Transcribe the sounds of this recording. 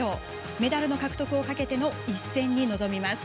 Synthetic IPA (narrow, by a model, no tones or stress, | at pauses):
oː | me̞d̪aɾɯ̟no̞kakɯ̟t̪o̞kɯ̟o̞kake̞t̪e̞no̞isːẽ̞ɲ̟ːino̞zo̞mʲimasɨ̥